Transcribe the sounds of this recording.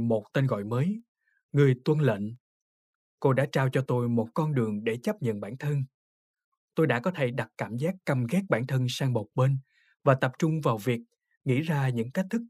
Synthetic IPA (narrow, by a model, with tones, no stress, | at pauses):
mo˨˩t̚t̪e˧nɣɔ̰˧˨jməː˨˦j | ŋɨ˨˩əjt̪wə˧nlə̰˧˨n | ko˧ɗa̰ː˧˥t͡ɕaː˧wt͡ɕɔ˧t̪o˧jmo˨˩t̚kɔ˧nɗɨ˨˩əŋɗe˧˩t͡ɕə˦˥p̚ɲə̰˧˨nɓaː˧˩nt̪ʰə˧n | t̪o˧jɗa̰ː˧˥kɔ˨˦t̪ʰe˧˩ɗa˨˩t̚kaː˧˩mzaː˦˥k̚kə˧˩mɣɛ˦˥k̚ɓaː˧˩nt̪ʰə˧nsaː˧ŋmo˨˩k͡p̚ɓe˧n | vaː˨˩t̪ə˨˩p̚t͡ɕʊ˧ŋ͡mvaː˨˩wvi˨˩ək̚ | ŋḭ˧˥zaː˧ɲɨ̰˧˥ŋka˦˥k̚t̪ʰɨ˦˥k̚